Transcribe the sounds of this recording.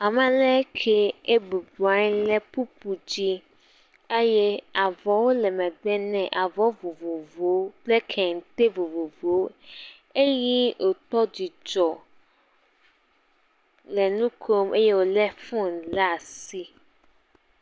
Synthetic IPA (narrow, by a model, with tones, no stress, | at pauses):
a˨mɛ̃˦lɛ˦kʰe˦e˦bu˨ba˦ɲ˦lɛ˦pu˦pu˨d͡ʑi˦ | e˦je˦a˨vɔ˨wo˦lɛ˨mɛ̃˨dɛ˦nɛ̃˨ʔa˨vɔ˦vo˨vo˨vo˨˦plɛ˦kʰɛ˨ŋ̩˨t̪e˦vo˨vo˨vo˨˦ | e˦ji˦o˨t̪ɔ˦d͡ʑi˨d͡ʒɔ˨ | lɛ˨nũ˦kʰo˦mʔe˦je˦wo˨lɛ˦fũ˦˨la˦˨si˦